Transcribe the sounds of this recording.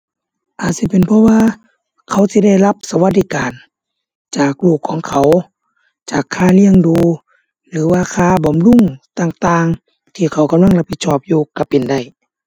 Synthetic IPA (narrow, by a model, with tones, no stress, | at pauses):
ʔaː˨˩t̪̚si˧˦pe˨npʰɔ˧˥waː˧ | kʰa˧˩wsi˧˦da˧˩˨jla˧˥p̚sa˧wa˧t̪̚diː˧kaː˨n | t͡ɕaː˨˩k̚luː˧˩kʰːɔː˨˦ŋkʰa˨˦w | t͡ɕaː˨˩kʰːaː˧˩li˧əŋduː˨˧ | lɯː˨˦waː˧˩kʰaː˧˨bɔː˨mlu˧˥˨ŋt̪aː˧ŋt̪aː˧ŋ | t̪ʰiː˧˩kʰa˨˩wka˧˨mla˧˥˨ŋla˧pʰːi˧t̪̚sɔː˧˩p̚juː˧ka˧˩pe˨nda˧˩j